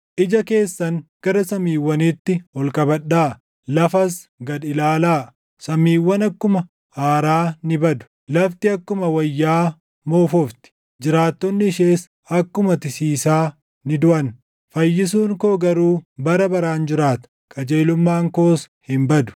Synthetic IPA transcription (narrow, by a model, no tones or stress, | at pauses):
ʔɪd͡ʒɐke̞ːsːɐŋɡ̥ɐɾɐsɐmiːwːɐnit̪ːɪhɔlkʼɐbɐᶑːaː | lɐfɐsɡɐd̪ɪlaːlaː | sɐmːiːwːɐnɐkːʊmɐ | haːɾaːnɪbɐd̪ʊ̥ | lɐft̪ɪɐkːʊmɐwɐjːaː | moːfɔft̪ɪ̥ | d͡ʒɪɾaːt̪ːɔnːɪːʃe̞ːs | ɐkːʊmɐt̪ɪsiːsaː | nɪd̪ʊʔɐn | fɐjːɪs̬uːŋkoːɡɐɾuːbɐɾɐbɐɾaːnd͡ʒɪɾaːt̪ɐ̥ | kʼɐd͡ʒe̞ːlʊmːaːŋko̞ːs | hɪmbɐd̪ʊ̥